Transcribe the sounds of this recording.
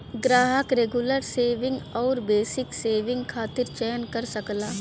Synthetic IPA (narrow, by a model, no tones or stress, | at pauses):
ɡɾaːɦəkɾeɡuləɾseːʋɪ̃ŋɡɔːɾbeːsɪkseːʋɪ̃ŋɡkʰaːt̪ɪɾt͡ʃɛːnkɐɾsɐklaː